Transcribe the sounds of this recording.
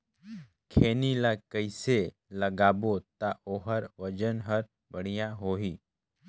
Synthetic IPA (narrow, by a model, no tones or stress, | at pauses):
kʰeːnilakəɪse | ləɡaːbot̪aʔoːɦəɾʋəd͡ʒənɦəɾ | bəɽ̤ijãɦoːɦiː